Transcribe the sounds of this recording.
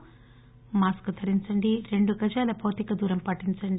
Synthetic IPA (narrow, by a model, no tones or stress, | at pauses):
maːskɨt̪ʰɐɾiɲt͡ʃɐɳɖiɾe̞ɳɖuɡɐd͡ʒaːlɐpoːt̪ikɐd̪uːɾɐmpɐʈːint͡ʃɐɳɖ